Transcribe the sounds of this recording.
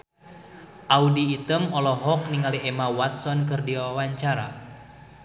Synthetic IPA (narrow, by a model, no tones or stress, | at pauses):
ʔaudiːt̪əmɔlɔɦɔk̚niŋaliɛmawat̪̚sɔnkɨrdiawawaɲt͡ʃaɾa